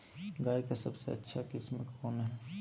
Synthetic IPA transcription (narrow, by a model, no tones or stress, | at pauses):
ɡaːikasɐbsḛɐ̰tːʃʰakɪsməkɔːnɦɛː